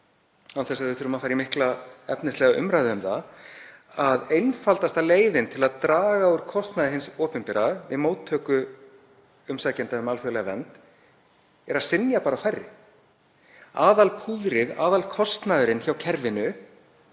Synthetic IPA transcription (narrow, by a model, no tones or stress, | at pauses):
hanθɛsaɣðvɪθʏɾʏmafaːɾimɪhklaɛpnɪst̪lɛɣaʔʏ̰mɾajðɪʏmθa | aðejnfalt̪ast̪aleːjðɪnt̪ʰɪlaðt̪ɾaːɣauɾ̥kʰɔst̪naðɪɦɪnsɔːpʏmpɪɾavɪðmowt̪ʰːœːkʏ | ʏmsaːcɛnt̪aʏmalfœɣlɛɣavɛnt̪ | ɛɾaðsɪnjapaːɾafajrːɪ | aːðalpʰuðɾɪða̰ːðalkʰɔst̪naðʏɾɪnçawcʰɛɾvɪnʏ